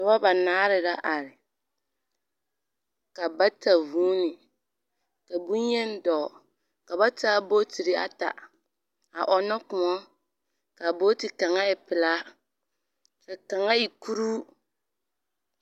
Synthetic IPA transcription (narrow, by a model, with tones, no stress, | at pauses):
ɪ˨ba˦ba˨naː˦ɾɪ˨la˦ʔa˨ɾɪ˨ | ka˨ba˦ta˨vuː˦nɪ˨ | ka˨bu˦ɲɛ˦n˦dɔː˨ | ka˨ba˦taː˦boː˦ti˨ɾi˦a̰˦ta̰˨ | a˨ʔɔ˨nɔ˦kʊ˨ŋɔ˦ | ka˨bo˦ti˨ka˨ŋa˦ɪ˨pɪ˨la˦ | ka˨ka˨ŋa˦i˨ku˦ɾuː˦